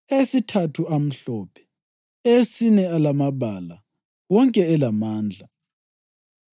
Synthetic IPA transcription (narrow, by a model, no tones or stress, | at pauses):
esitʰatʰuam̩ɬɔːpʰɛ̥ | esinɛalamaβala | wɔŋkʼɛːlamaːnd͡ɮʱa